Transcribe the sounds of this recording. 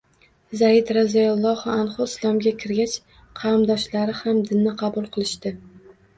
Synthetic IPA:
zaɪd̪ɾazajalˠːɒhanχʊɪslˠɒmɡʲakʲʰɪɾɡʲat͡ʃ | qʰɑɾmd̪ɒʃlaɾɪhamd̪ɪnːɪqʰɑbʊlˠqʰɨlˠɪʃt̪ɪ

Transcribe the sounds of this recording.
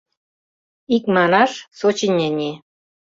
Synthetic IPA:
ik̚mɑnɑʃsot͡ɕinʲːenʲe

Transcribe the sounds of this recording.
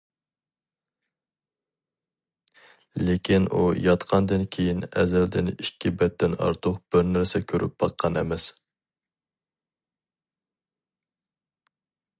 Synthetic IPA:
lekʲʰinʔujɑt̪qʰɑnd̪ɨnkʲʰejinɛzɛld̪ɪnikʲʰːibɛt̪ːɪnɑ̰ɾt̪ʰʊqb̥ɪɾnæɾsɛkʲʰøɾʔy̰p̚b̥ɑqʰːɑnɛ̰mɛs

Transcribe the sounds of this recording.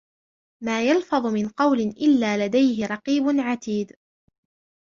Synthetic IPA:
maːjɑlfɑðˤʊmɪnqɑwlɪnʔɪlːaːlad̪ajɦɪɾˤɑqiːbʊnʕat̪iːd̪

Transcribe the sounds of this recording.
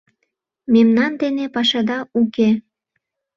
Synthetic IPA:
memnɑnd̪enepɑʃɑd̪ɑuke

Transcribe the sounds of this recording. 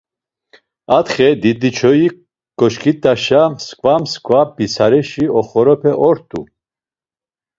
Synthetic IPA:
at̪χɛd̪id̪it͡ʃʰɔi | kʼɔʃkʰʼit̪ʼaʃaskʼvamskʼvabisaɾɛʃiɔχɔɾɔpʰɛʔɔɾt̪ʼṵ

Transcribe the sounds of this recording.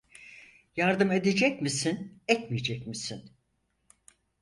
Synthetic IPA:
jaɾd̪ɯme̞d̪ed͡ʒɛc̚misinɛt̪mijed͡ʒɛcmisin

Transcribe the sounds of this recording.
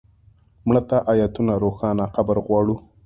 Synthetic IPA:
mɳat̪aʔajat̪unaɾoxɑnaxabaɾɣwɑːɽu

